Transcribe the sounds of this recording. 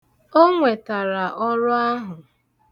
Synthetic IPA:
o˦ŋʷe˨ta˨ɾa˨ʔɔ˦ɾʊ˦a˦ɦʊ˨

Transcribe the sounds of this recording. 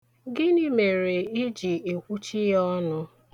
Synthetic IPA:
ɡɪ˦ni˦me˨ɾe˨i˦d͡ʒi˨e˨kʷu˦t͡ʃi˦jɔ˦nʊ˦

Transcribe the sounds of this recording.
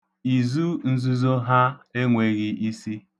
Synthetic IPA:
i˨zu˦n̩˦zu˦zo˦ɦa˦e˦ŋʷe˨ɣɪ˦ʔi˦si˦

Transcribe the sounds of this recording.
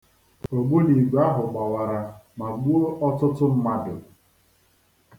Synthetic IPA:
o˨ɡ͡bo˦ni˨ɡ͡ba˦ɦʊ˨ɡ͡ba˨wa˨ɾa˨ma˨ɡ͡bu˦o˦ʔɔ˦tʊ˦tʊ˦m̩˦ma˦dʊ˨

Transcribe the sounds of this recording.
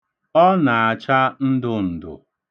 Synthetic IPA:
ɔ˦na˨a˨t͡ʃa˦n̩˦dʊ˦n̩˨dʊ̰˨

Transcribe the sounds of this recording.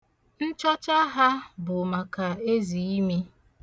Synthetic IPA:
n̩˦t͡ʃɔ˦t͡ʃa˦ɦa˦bʊ˨ma˨ka˨e˦zi˨i˦mi˦

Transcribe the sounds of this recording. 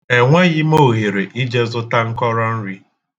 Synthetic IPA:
e˨ŋʷe˦ɣɪ˦mo˦˨ɦe˨ɾe˨ʔi˦d͡ʒe˦zʊ˦ta˦ŋ̩˦kɔ˦ɾɔ˦n̩˦ɾi˦

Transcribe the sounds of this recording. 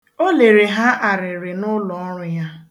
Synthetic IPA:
o˦le˨ɾe˨ɦa˦ʔa˨ɾɪ˨ɾɪ˨nʊ˦lɔ˨ɔ˦ɾʊ˦ja˦

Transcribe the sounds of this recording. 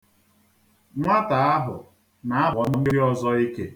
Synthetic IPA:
ŋʷa˦ta˨a˦ɦʊ˨ | na˨a˦bɔ˨nʊ˦n̩˦ɔ˦zɔ˦i˦ke˦

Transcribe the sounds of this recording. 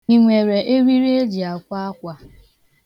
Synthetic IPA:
i˨ŋʷe˨ɾe˨ʔe˦ɾi˦ɾi˦e˦d͡ʒi˨a˨kʷa˦a˦kʷa˦

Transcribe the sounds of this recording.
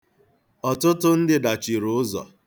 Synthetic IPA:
ɔ˨tʊ˦tʊ˦n̩˦dɪ˨da˨t͡ʃi˨ɾʊ˨ʊ˦zɔ̰˨

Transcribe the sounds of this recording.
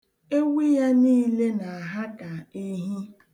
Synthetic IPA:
e˦wi˦ja˦niː˦le˦na˨a˨ɦa˦ka˨e˦ɦi˦

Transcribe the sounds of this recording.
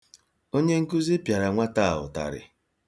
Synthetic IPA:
o˦ɲe˦ŋ̩˦ku˦zi˦pja˨ɾa˨ŋʷa˦ta˦˨ɦʊ̰˨ta̰˨ɾɪ̰˨

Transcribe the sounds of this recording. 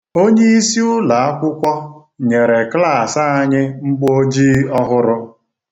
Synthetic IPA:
o˦ɲe˦i˦si˦ʊ˦la˨a˦kʷʊ˦kʷɔ˦ | ɲe˨ɾe˨kla˦˨sa˦a˦ɲɪ˦ŋ͡m̩˦ɡ͡bo˦d͡ʒiː˦ɔ˦ɦʊ˦ɾʊ˦

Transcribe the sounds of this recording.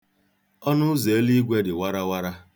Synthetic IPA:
ɔ˦nʊ˦ze˨e˦li˦ɡʷe˦dɪ˨wa˦ɾa˦wa˦ɾa˦

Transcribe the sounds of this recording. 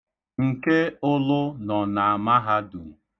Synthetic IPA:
ŋ̩˨ke˦ʊ˦lʊ˦nɔ˨na˨a˨ma˦ɦa˦du˨

